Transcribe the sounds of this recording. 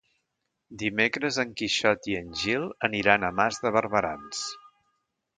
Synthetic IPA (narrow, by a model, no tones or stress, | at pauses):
d̪imekɾəzəŋkiʃɔt̪iənʲʒilˠəniɾanəmazðəβəɾβəɾa̰ns